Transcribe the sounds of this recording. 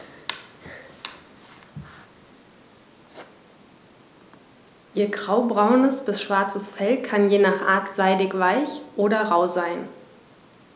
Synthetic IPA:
ʔiːɐɡʁaʊbʁaʊnəsb̥ɪsʃv̥aɐt͡səsfɛlkʰanjeːnaːχʔa̰ːɐtz̥aɪdɪçv̥aɪçʔoːɾɐʁaʊzaɪn

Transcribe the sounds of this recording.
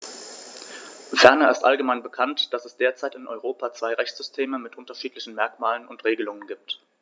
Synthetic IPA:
fɛɐnɐɪ̰stʔa̰lɡəmaɪnbəkʰantd̥asɛsd̥eːɐt͡saɪtɪnʔɔʏʁ̞oːpat͡sv̥aɪʁɛçt͡sz̥ʏstʰeːməmɪtʔʊntɐʃiːtlɪçn̩mɛɐkmaːlənʊntʁ̥eːɡəlʊŋənɡiːp̚t

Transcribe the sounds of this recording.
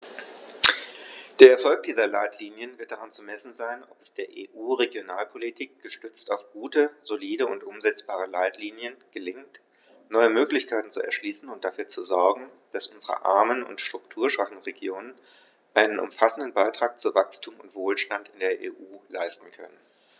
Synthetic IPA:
d̥eːɐɛɐfɔlk̚d̥iːzɐlaɪtʰliːnjənvɪʁɐt̚d̥aʁant͡sumɛsn̩zaɪnɔpɛsd̥eːɐʔḛːʔuːʁeɡjonaːlpʰolitʰiːk̚ɡ̥əʃtʏt͡staʊfɡ̥uːtəzoliːdəʊntʔʊmzɛt͡sb̥aːʁ̞əlaɪtʰliːnjənɡ̥əlɪŋt | nɔʏəmøːklɪçkʰaɪtn̩t͡suɛ̰ɐʃliːsn̩ʊnt̚d̥afyːɐt͡suzɔɐɡŋ̩ | d̥asʔʊnzəʁə̰ʔa̰ɐmənʊ̰ntʃtʁ̥ʊktʰuːɐʃv̥aχn̩ʁeɡjoːnən | ʔaɪnənʔʊ̰mfasn̩dən̩baɪtʁ̥aːk̚t͡suvakstʰuːmʊntv̥oːlʃtantɪndeːɐʔḛːʔuːlaɪstn̩kʰœ̰nən

